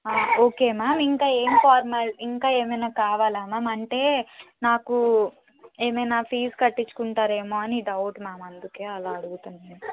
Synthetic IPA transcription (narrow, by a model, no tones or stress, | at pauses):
aːoːke̞ːmaːmiŋkaːe̞ːmipaːɾmɐliŋkaːe̞ːmɐjnaːkaːʋaːlaːmaːmɐɳʈe̞ːnaːku | e̞ːmɐjnaːpʰiːskɐʈːit͡ʃːu̥kuɳʈaːɾe̞ːmoːɐniɖɐwʈmaːmɐnd̪uke̞ːɐlaːɐɽuɡut̪unːaː